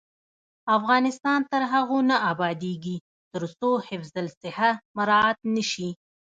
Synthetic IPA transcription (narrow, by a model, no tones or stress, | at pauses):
afɣɑnɪst̪ɑnt̪əɾɦaɣonaʔɑbɑd̪eɡi | t̪əɾsohɪfzalsɪhamaɾɑt̪nəʃi